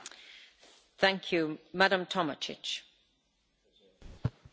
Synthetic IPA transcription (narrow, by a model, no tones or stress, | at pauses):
θæ̃ŋkʰjumaɾə̃mtʰɒmət͡ʃɪ̰t͡ʃ